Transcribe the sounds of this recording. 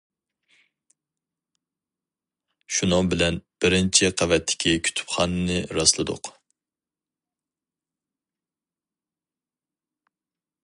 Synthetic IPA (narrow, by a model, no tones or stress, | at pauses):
ʃunɨŋbɪlɛnb̥ɪɾɪnt͡ʃʰiqʰævɛt̪ʰːɪ̥kʲʰikʲʰy̥t̪ʰy̥pχɑnɨnɪɾɑslˠɨd̪ʊ̰q